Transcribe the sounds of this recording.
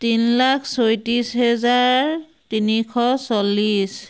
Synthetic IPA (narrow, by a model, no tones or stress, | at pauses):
tinlakʰsojtɹisɦɛzaɹ | tinikʰɔsɔlis